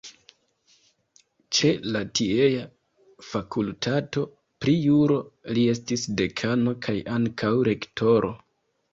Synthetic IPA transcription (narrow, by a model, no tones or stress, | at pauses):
t͡ʃe̞latieja | fakultʰato̞ | pɾijuɾo̞lie̞s̬tisde̞kʰano̞kʰajʔaŋkʰawɾe̞ktʰo̞ɾʔo̞̰